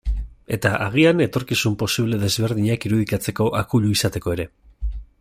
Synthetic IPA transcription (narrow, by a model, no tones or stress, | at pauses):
e̞t̪aʔaɣ̞iane̞t̪o̞ɾkisumpo̞siβ̞le̞ðe̞zβe̞ɾðiɲakiɾuðikat͡se̞ko̞ʔakuʎuisat̪e̞ko̞e̞ɾe̞